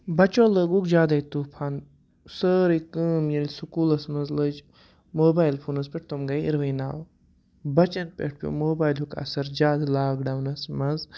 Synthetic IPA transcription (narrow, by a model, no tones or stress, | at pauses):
bɐt͡ʃoːləɡukd͡ʒaːd̪ɐjt̪uːpʰaːn | səɾikɨmjɐlʲsukuːlɐsmɐzləd͡ʒ | moːbaːjilpʰuːnɐzpʲeʈ̚ʰt̪omɡɐjḭɾʋɐːnaːw | bɐt͡ʃɐnpʲḛʈ̚ʰpʲjo̰moːbaːjlɦukʰɐ̰sɐɾd͡ʒaːd̪laːɡɖɐwnɐsmɐz